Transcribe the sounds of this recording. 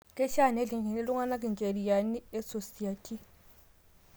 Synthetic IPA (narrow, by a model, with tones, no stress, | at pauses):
kʼɪ˦ʃa˦˨ne˦ɮi˨ŋɡi˨nɪ˦lʊ˦ŋa˦na˦kʼɪ˨n˨t͡ʃʼe˨li˨ja˨ni˦ɛ˦so˨si˨a˨tʼi˦